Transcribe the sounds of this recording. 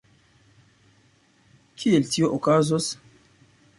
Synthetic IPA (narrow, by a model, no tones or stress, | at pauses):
kʰieltioʔokazos